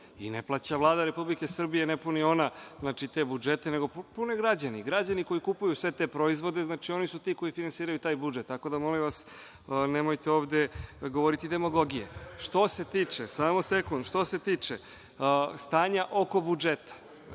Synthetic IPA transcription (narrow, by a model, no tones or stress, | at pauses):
ineplˠat͡ɕaʋlˠaːd̪aɾe̞publikesr̩bije̞nepunio̞naznaːt͡ʃit̪e̞bud͡ʒe̞t̪ene̞ɡo̞ppune̞ɡɾad͡ʑaniɡɾad͡ʑaniko̞jikupujusʋe̞t̪e̞pɾo̞izʋo̞d̪e̞znaːt͡ʃio̞nisut̪iːko̞jifinansiːɾajut̪aːjbud͡ʒet̪ːako̞d̪amo̞limʋas | nemojt̪eo̞ːʋd̪eɡo̞ʋoɾit̪id̪e̞moɡo̞ɡijḛʃt̪o̞se̞t̪iːt͡ʂesaːmosekund̪ʃt̪o̞se̞t̪iːt͡ʂe | st̪aːɲaʔo̞ko̞bud͡ʒet̪ḁ